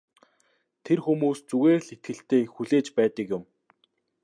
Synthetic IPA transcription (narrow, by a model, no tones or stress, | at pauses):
t̪ʰerxumuːst͡suɣeːrɮit̪̚ɡɘ̆ɬt̪eːxuɮeːt͡ɕpæːt̪ə̆kjʊm